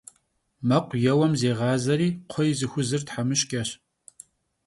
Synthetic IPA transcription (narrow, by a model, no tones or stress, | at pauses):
mɐqʷjɛwɐmzeːʁɑːzɐɾiːqʷʰɔjzɨxʷʊzɨrtħamɨʃkʲʼɐɕ